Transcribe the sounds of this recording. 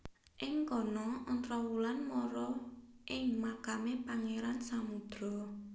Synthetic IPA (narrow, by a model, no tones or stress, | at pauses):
ʔɪŋkɔnɔɔnt̪ɾɔwulanmɔɾɔʔɪŋmakamepaŋeɾansamud̪̥ɾɔ̤